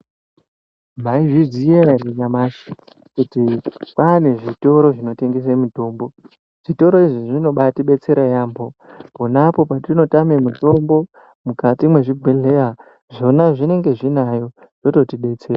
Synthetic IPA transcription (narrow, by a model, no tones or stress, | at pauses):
m̤aiʐizijereɲamaʃi̥ | kutipane̞ʐito̞ɾo̞ʐino̞te̞ŋɡes̬emuto̞ːmbo̞ | ʐ̥ito̞ɾo̞iʐiʐino̞ɓatiɓe̞t͡se̞ɾajaːmbo̞ponapo̞patino̞tamemuto̞mbo̞ | mukatimwe̞ʐibʱweɮe̞ja | ʐo̞naʐine̞ŋɡe̞ʐinajo̞ | ʐ̥o̞to̞tiɓe̞t͡seːra